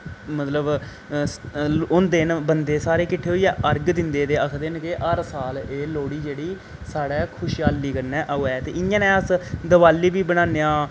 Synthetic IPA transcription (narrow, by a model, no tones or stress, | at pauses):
mət̪ləb | ʊnd̪ɪnbənd̪eːsaːɾeːkɪʈʰːeːɦoijɛːʔəɾɡd̪ɪnd̪eːt̪eːəkʰd̪eːnkeːʔəɾsaːleːloːɽiːd͡ʒeːɽiː | saːɽɛːkʰʊʃiaːliːkəɾnɛ̃ːʔoːɛːt̪eːʔɪãːnɛ̃ːəsd̪əʋaːliːbiːbəɽãːnejãː